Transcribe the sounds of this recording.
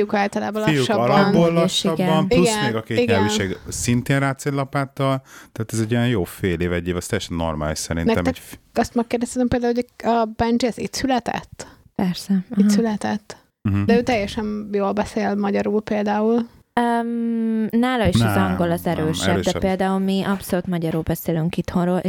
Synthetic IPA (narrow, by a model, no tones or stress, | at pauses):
ijukaːlt̪ɒlaːbɒlijuʃɒblːɒnollɒʃiɡɛbmpiuɡɛsnmeɡɒkeːiɡɲɛyːʃeːɡsint̪eːnraːt̪seːlɒpaːt̪ɒlt̪ɛːt̪ɛzɛɟijɛnjoːfeːleːvɛɟːeːvɛst̪ɛjɛʃɛnːo̰rma̰ːliʃsɛɾinnɛk̪ɛmɛɒst̪mɛkːeːrd̪ɛst̪et̪ɛmpeld̪aːuːoɒbɛnd͡ʒiɛzḭt̪sylɛt̪ɛ̰t̪ːpɛrsɛisylɛt̪ɛt̪̩ː | ɦ̩d̪ɛøːt̪ɛjːɛʃɛnjoːlbɛseːlmɒɟɒɾuːlpeːld̪aːul | ømnaːlɒiʃɒzzɒŋɡo̞lɒzɛɾøːʃɛød̪ɛpeːld̪aːulmiʔɒpso̞lut̪mɒɟɒɾuːlbɛseːlyŋkit̪honroːlʔ